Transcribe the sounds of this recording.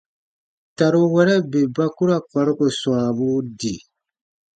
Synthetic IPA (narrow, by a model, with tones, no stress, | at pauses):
ta˨ɾu˦wɛ˦ɾɛ˦be˨ba˦ku˦ɾa˦k͡pa˨ɾu˦ko˨sw̃ã˨bu˦di˨